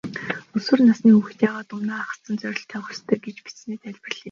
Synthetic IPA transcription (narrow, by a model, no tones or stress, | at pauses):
ɵswɘ̆rnasniːux̆t̪jaːʁaːt̪ʊnaːaχə̥̆st͡sə̆nt͡sœɾʲɪ̆ɬt̪ʰːœɣʲɞ̆st̪ʰœːɡet͡ɕpi̥t͡sneːt̪ʰæɮʲprə̆ɮiː